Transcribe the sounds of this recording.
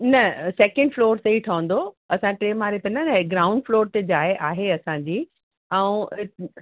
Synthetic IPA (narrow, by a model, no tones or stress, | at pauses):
nɐsɛːkə̃ɳɖfloːɾsɐiʈʰɐʋə̃nd̪o | ɐsãʈɾeːmaːɾet̪ɐnanɐɡɾaːʊ̃ɳɖfloːɾt̪ed͡ʑaːeʔaːɦeɐsãɲd͡ʑiː | ɛ̃ũ